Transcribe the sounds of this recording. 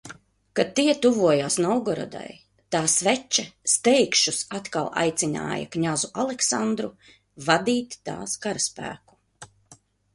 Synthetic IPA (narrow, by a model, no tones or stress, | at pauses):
kat̪ːiɛt̪uvuɔjaːsnɔwɡɔɾɔ̰d̪a̰j | t̪aːsvɛt͡ʃast̪ɛjkʃusat̪kalˠa̰jt̪sina̰ːja̰kɲazuʔalˠɛksand̪ɾu | vad̪iːt̪ːa̰ːskaɾaspæ̰ːku̥